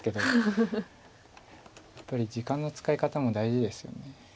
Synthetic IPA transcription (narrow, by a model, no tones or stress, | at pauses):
ke̞d̪o̞ | japːaɾʲid͡ʑikãnːo̞t͡sɨ̥kaikat̪amo̞d̪aiʑid̪e̞sɨjo̞̰ne̞